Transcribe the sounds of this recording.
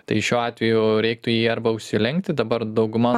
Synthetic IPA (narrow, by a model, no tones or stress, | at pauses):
t̪ɐɪʃʲuːɑːt̪ʲʋʲɛjʊɾʲɛɪk̚t̪ʊjiːɐɾbɐʊʃʲsʲɪlʲɪŋkt̪ʲɪd̪ɐbɐrd̪ɐʊɡʊmɑ